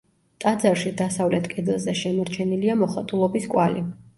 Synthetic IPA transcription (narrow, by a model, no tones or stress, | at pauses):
t̪ʼad̪zaɾʃid̪asavlɛt̪ʰkʼɛd̪ilˠzɛʃɛmɔɾt͡ʃʰɛniliamɔχat̪ʼulˠɔbiskʼwali